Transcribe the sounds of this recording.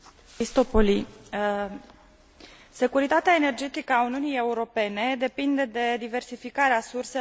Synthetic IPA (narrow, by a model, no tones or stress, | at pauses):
ist̪o̞poli | se̞kuɾit̪at̪eaene̞rd͡ʒe̞t̪ikəauniunije̞uɾo̞pe̞ne̞d̪e̞pind̪e̞d̪e̞d̪ive̞rsifikaɾeasurse